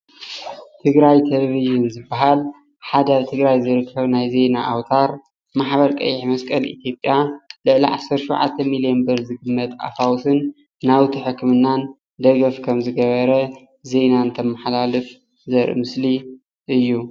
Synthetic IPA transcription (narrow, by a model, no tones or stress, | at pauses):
t̪ʰɨɡɾajt̪ʰeleviʒɨnzɨbːaɦal | ħad̪aβt̪ʰɨɡɾajzɨɾɨkʰːɐβnajze̞jnaʔawt̪ʰaɾ | maħbɐɾkʼɐ̰jːɪħmɐskʼɐlʔḭt̪ʰjo̞pʼːjalɨʕliʕa̰sɐɾtʃuwʕa̰t̪ʰːɐmilijenbɨɾzɨɡɨmːɐt̪ʼa̰fawsɨnː | awt̪ʰiħɨkʰːmɨnːan | d̪ɐɡɐfkʰɐmzɨɡɐβɐɾɐ | ze̞nant̪ʰɐmːɐħlalɨf | zɐɾʔɨ̰mɨsli | ʔɨjːu